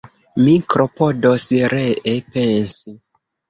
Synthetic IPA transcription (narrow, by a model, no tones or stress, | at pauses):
mikɾopodosɾeʔepensi